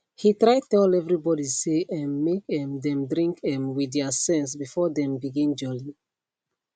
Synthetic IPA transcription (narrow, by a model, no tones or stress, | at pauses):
hitɹaɪtɛlɛvɹibɔɾiseʔɛ̃nmek̚ɛ̃mdɛ̃mdɹĩŋkɛ̃mwidɛasɛ̃ns̬bifɔdɛ̃mbiɡĩnd͡ʒɔli